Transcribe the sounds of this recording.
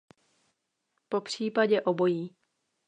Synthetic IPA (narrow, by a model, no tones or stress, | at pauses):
popr̝̥iːpaɟɛʔobo̞jiː